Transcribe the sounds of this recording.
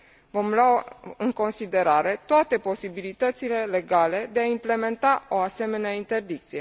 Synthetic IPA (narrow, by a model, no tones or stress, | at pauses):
vo̞mlaɨŋko̞nsid̪e̞ɾaɾe̞t̪oat̪e̞po̞sibilit̪ət̪sile̞le̞ɡale̞d̪e̞aimple̞me̞nt̪ao̞ase̞me̞neaint̪e̞rd̪ik̚t̪sije̞